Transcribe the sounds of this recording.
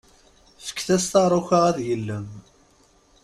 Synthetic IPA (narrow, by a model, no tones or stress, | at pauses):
fə̥kːθæst̪ɑɾˤʊçaʁæðjəlːəm